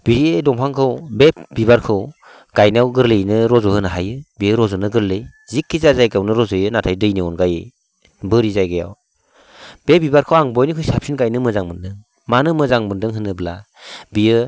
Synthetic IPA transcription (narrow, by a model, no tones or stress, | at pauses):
b̥iɾiedɔŋpʰaŋkʰɯwbep̚bibaɾkʰɯw | ɡ̥ajnawɡɯɾlɯjnɯɾɔzɔhɯnaɦajɯbijɯɾɔzɔnɯɡɯɾlɯj | zikʰːizazajɡawnɯɾɔzɯjɯnatʰajdɯjniɔnɡajɯ | bɯɾizajɡaja̰w | b̥ebibaɾkʰɯwaŋbɔjnɯkʰɯjsap̚sinɡajnɯmɯzaŋmɯndɯŋ | manɯmɯzaŋmɯndɯŋɦɯnːɯbla̰ | bijɯ